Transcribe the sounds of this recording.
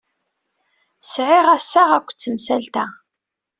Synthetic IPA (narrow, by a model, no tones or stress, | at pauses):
sʕɪʁæsːaʁækʷːt͡sːəmsælt̪æ